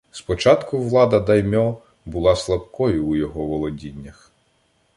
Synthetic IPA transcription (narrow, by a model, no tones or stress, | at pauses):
spɔt͡ʃɑt̪kʊʋlˠɑd̪ɐd̪ɐjmʲɔ | bʊlˠɑslˠɐp̚kɔjʊːjɔɦɔʋɔlˠɔdʲinʲːɐx